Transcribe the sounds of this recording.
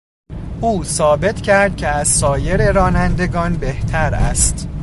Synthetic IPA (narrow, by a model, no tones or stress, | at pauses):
ʔuːsɒːbe̞t̪ʰcʰæɾd̪̥̚cʲʰeæzsɒːje̞ɾeɾɒːnænd̪e̞ɡɒːnbe̞ht̪ʰæɾæ̰st̪